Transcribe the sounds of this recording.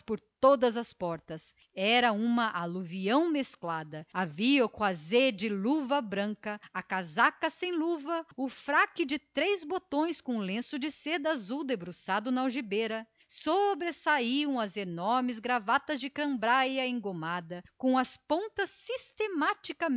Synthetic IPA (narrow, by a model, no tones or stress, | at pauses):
spoɾt̪od̪ɐzɐspɔɾt̪ɐs | ɛɾɐũmɐʔaluviɐ̃w̃mesklad̪ɐaviokɐzed͡ʒɪluvɐbɾɐ̃kɐɐkazakɐsẽj̃luvɐʊfɾakɪd͡ʒɪt̪ɾejzbot̪õj̃skõlẽsʊd͡ʒɪsed̪ɐazuwd̪ebɾusad̪ʊnɐawʒibeɾɐ | sobɾesaiɐ̃w̃ɐzenɔɾmɪzɡɾavat̪ɐzd͡ʒɪkɾɐ̃mbɾajɐẽŋɡomad̪ɐkõw̃ɐspõt̪ɐsːist̪emat͡ʃikɐ